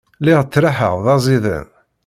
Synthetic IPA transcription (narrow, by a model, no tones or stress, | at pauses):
liʁt͡sːɾaħə̰ʁðˤɑzˤiðə̰n